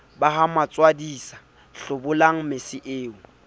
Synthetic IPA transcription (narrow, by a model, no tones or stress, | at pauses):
baɦamat͡sʼwadiːsḁ | ɬʊbʊlaŋ̩mɪsɪʔeːʊ